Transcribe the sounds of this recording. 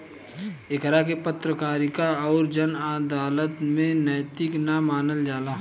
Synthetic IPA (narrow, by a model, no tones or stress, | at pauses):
ɪkɾakepət̪ɾəkaːɾikaɔːɾd͡ʒɐnaːd̪aːlət̪mẽnɛːt̪ɪknamaːnəld͡ʒaːlaː